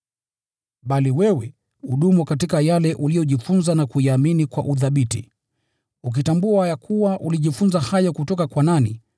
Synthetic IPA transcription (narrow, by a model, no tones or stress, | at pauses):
ɓaliwɛwɛ | uɗumukatikajalɛʔulijɔʄifunzanakuiaminikwa̰ʔuθaɓitḭ | uk̬itambuajakʰuwaʔuliʄifunzahajɔkutɔkakwanani